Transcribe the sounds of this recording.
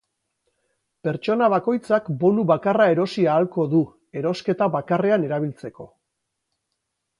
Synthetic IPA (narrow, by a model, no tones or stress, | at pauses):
pe̞ɾt͡ʃo̞naβako̞jt͡sakbo̞nuβakarae̞ɾo̞siaːlko̞ðu | e̞ɾo̞ske̞t̪aβakare̞ane̞ɾaβ̞ilt͡se̞ko̞